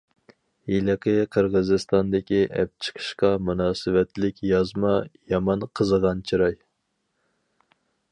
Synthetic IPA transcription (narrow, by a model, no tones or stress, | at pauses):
jilɪqʰəqʰəɾʁəzɨst̪ɑnd̪ɪkʲiʔɛ̰p̚t͡ʃʰə̥qʰə̥ʃqɑmunɑːsɨwɛt̪lɪkʲjɑzmɑjɑmɑnqʰəzəʁɑnt͡ʃʰiɾɑj